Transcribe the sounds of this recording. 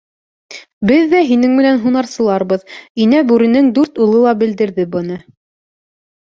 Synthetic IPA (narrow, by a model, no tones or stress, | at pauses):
bɘðːæɦinɘŋmɘ̆nænɦunɑɾsɤ̆lˠɑɾbɤðinæbʉɾɘ̆nɘŋd̪ʉɾt̪ulˠɤlˠɑbɘ̆ld̪ɘ̆ɾðɘbɤ̆nɤ